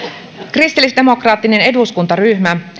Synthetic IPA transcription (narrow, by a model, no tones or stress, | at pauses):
krist̪ilːisde̞mo̞krɑːt̪ːine̞ne̞duskunt̪ɑryçmæ